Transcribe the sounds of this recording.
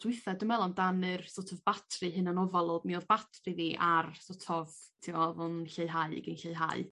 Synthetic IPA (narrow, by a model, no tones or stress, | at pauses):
d̥wɪθadɨmɛlˠɔndanɨrsɔtʰɔvbatʰrɨɦɨnanɔvɔlˠodmiɔðbatʰrɨðiʔarsɔtʰɔvtʰiwvʊnɬeɨɦaɨ̰ɡɨnɬeɨɦa̰ɨ